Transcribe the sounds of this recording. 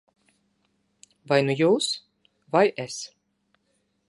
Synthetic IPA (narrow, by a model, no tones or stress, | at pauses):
vajnujuːs | vajɛs